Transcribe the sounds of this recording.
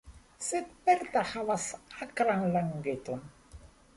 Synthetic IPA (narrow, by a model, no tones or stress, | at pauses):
sit̪̚pɛɾt̪ahawasakɾaŋlaŋɡet̪on